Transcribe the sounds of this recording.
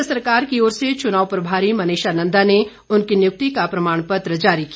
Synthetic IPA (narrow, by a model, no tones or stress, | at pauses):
sɐɾkaːɾkioːɾset͡ʃʊnaːʋpɐɾbʱaːɾimɐneːʃaːnə̃nd̪ane | ʊnkinjʊk̚t̪ikapɾɐmaːɽ̃pɐt̪ɾəd͡ʒaːɾikia